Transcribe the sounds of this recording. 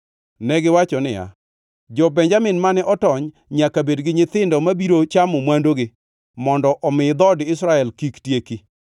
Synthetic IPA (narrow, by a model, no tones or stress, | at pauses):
nɛɡɪwat͡ʃɔnɪja̰ | d͡ʒɔbɛɲd͡ʒamɪnmanɛʔɔtɔɲ | ɲakabedɡɪɲɪt̪ɪndɔmabiɾot͡ʃamʊmwandoɡɪ | mɔndɔʔɔmɪd̪ɔdɪsɾaɛlkiktjeki